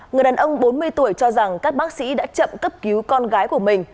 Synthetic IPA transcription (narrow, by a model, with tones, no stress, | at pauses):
ŋɨ˨˩jɗaː˨˩nʔə˧wŋ͡mɓo˨˦nmɨ˧əjt̪u˧˩əjt͡ɕɔ˧za˨˩ŋkaː˦˥k̚ɓaː˦˥k̚sḭ˧˥ɗa̰ː˧˥t͡ɕə̰˧˨mkə˦˥p̚ki˨˦wkɔ˧nɣaː˨˦jku˧˩əmï˨˩ŋ̟